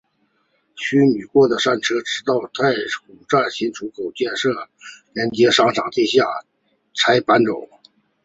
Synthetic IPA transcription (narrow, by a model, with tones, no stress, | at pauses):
ɕʰy˥my˨˩kwɔ˥˩d̪ə˩ʂa˥˩nʈ͡ʂʰɤ˥ʈ͡ʂɻ̩˧˥t̪ɑ˥˩˧ʊt̪ʰa˥˩ɪxu˨˩ʈ͡ʂa˥˩nɕi˧˥nʈ͡ʂʰu˧˥kʰo˨˩ʊt͡ɕjɛ˥˧nʂɤ˥˩ɻɛ˧˥nt͡ɕjɛ˧˥ʂɑ˥ŋʈ͡ʂʰɑ˨˩ŋt̪i˥˧ɕja˥˩ | t͡sʰa˥ɪpa˥nʈ͡ʂʊ˨˦ŋ